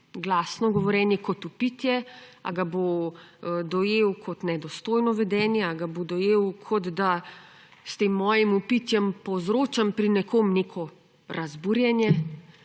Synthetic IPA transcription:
ɡlaːsnɔɡɔʋɔɾjɛːnjɛkɔt̪upit̪jɛa̰ɡabo | d̪ɔjeːwkʰɔt̪nɛd̪ɔst̪oːjnɔʋɛd̪ɛːnjɛaɡabod̪ɔjeːwkʰɔd̪d̪a | st̪eːmːɔːjimupit̪jɛmpɔzɾoːt͡ʃampɾinɛkʰomnekʰɔ | ɾʔazbuɾjɛnjɛ

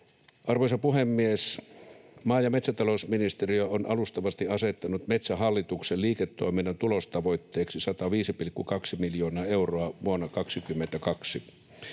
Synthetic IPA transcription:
ʔɑrʋojsɑpuɦemːies | mɑːjɑmet̪sæt̪ɑlosminist̪eriøonɑlust̪ɑʋɑst̪iɑset̪ːɑnut̪met̪sæɦɑlːit̪ukselliːket̪ːoiminːɑnt̪ulost̪ɑʋoit̪ːeːksisɑt̪ɑʋiːsipilkːukɑksimiljoːnɑːeuroɑʋuonːɑkɑksikymːent̪ækɑksi

